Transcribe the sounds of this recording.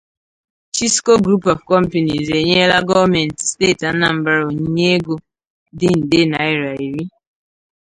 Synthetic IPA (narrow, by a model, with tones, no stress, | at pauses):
t͡ʃi˦sko˦ɡɾu˦pɔ˨vkɔ˦m̩˦po˨ni˨ze˨ɲe˦la˦ɡɔ˦˨me˨n̩˨tste˦˨ta˨n̩˦na˨m̩˦ba˨ɾo˨ɲ˦ɲe˦e˦ɡo˦ | dɪ˦n̩˨de˦na˨ɪ˦ɾa˨i˨ɾi˦